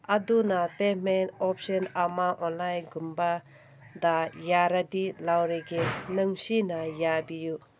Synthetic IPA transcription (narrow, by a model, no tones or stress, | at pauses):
adunatemenɔp̚sɔnamaʔɔnlajɡumba | d̪ajaɾadilawɾeɡenɯŋsinajabiju